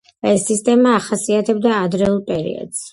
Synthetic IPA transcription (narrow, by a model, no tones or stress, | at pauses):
aɛsist̪ʼɛmaːχasiat̪ʰɛb̚d̪aːd̪ɾɛulˠpʼɛɾḭɔ̰d̪s